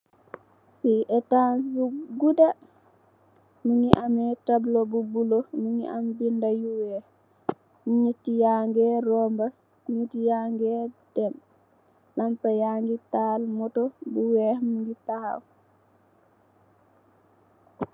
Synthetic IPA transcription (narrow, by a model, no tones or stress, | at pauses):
fiʔɛtanuɡuda | muŋiʔamɛtablɔbubulɔmuŋiʔambindajuwɛ | muɲitːijaŋɡɛrɔmbas | kuɲitijaŋɡɛdɛm | lampajaŋɡitalmɔtɔbuwɛmuŋɡitahaw